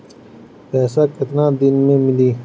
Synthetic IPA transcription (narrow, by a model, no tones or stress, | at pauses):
peːsaket̪naːd̪inmemili